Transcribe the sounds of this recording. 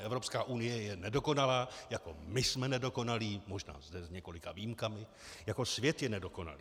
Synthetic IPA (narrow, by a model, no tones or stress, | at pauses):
ʔɛvɾo̞pskaːʔunɪjɛjɛnɛdo̞ko̞nalaːjako̞mɪsmɛnɛdo̞ko̞naliːmo̞ʒna̰ːzdɛzɲɛko̞lɪka̰viːmkamɪ | jako̞svjɛt̪jɛnɛdo̞ko̞na̰liː